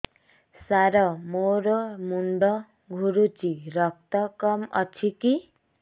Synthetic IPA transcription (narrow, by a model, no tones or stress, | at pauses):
saɾʌmoɾomuɳɖʌ | ɡʱuɾut͡siɾʌk̚t̪ʌkʌmʌ̰t͡sʰiki